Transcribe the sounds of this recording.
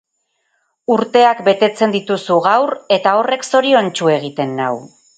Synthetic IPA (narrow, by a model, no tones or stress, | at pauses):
uɾt̪e̞akbe̞t̪e̞t͡se̞nd̪it̪usuɣawre̞t̪ao̞re̞kso̞ɾio̞nt͡ʃue̞ɣ̞it̪e̞nːaw